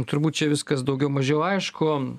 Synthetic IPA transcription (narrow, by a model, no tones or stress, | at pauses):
t̪ʊɾbuːt̪t͡ʃʲɛʋʲɪskɐsd̪ɐʊɡʲɛʊmɐʒʲɛʊɐɪʃkʊ